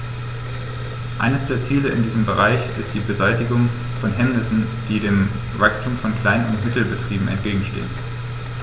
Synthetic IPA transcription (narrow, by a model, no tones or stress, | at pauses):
ʔa̰ɪnəsd̥eːɐt͡siːləɪ̰ndiːzəmbəʁaɪçɪstd̥iːbəzaɪtɪɡʊŋ | fɔnɦɛmnɪsn̩d̥iːdeːm | vakstʰuːmfɔnkl̥aɪnənʊ̰ntmɪtl̩bətʁ̥iːbm̩ɛ̰ntɡ̥eːɡŋ̩ʃtḛːən